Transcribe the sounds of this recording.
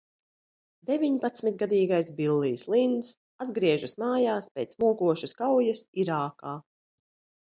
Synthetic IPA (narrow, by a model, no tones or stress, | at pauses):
d̪evʲiɲpat̪smit̪̚ɡad̪iːɡajsbilˠːiːslˠind̪s | ad̪ɡɾiɛʒasmaːjaːspʲeːt̪smuɔkuɔʃaskawjasiɾaːkaː